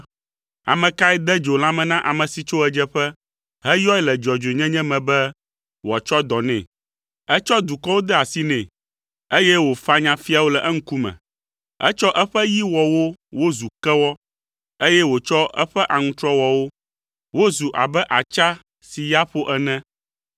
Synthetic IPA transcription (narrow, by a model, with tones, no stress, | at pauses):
a̰˨mɛ̃˨ka˦ɛ˦d̪ɛ˦d͡ʒo˨l̃ã˦mɛ̃˨nã˦ʔa˨mɛ̃˨si˨t͡ʃo˦ɛ˦d͡ʒɛ˦ɸɛ˦ | ɦɛ˦jɔ˦ɛ˦lɛ˨d͡ʒɔ˨d͡ʒo˨e˨ɲɛ̃˦ɲɛ̃˦mɛ̃˨bɛ˦ | wɔ˨t͡ʃɔ˦d̪ɔ˨nɛ̰̃˦˨ | ɛ˦t͡ʃɔ˦d̪u˨kɔ˦wo˦d̪ɛ˦a˨si˦nɛ̃˨ | e˦jɛ˦wo˨fa˦ɲã˨fi˦a˨wo˦lɛ˨ʔɛ˦ŋ̩˦ku˦mɛ̰̃˨ | ɛ̰˦t͡ʃɔ˦ʔɛ˦ɸɛ˦ji˦wɔ˨wo˦wo˦zu˨kɛ˦wɔ˦ | e˦jɛ˦wo˨t͡ʃɔ˦ʔɛ˦ɸɛ˦ʔa˨ŋũ˦t̪ɾɔ˦wɔ˨wo˦ | wo˦zu˨ʔa̰˨bɛ˦ʔa˨t͡ʃa˦ | si˨ja˦ɸo˦ʔɛ˦nɛ̃˦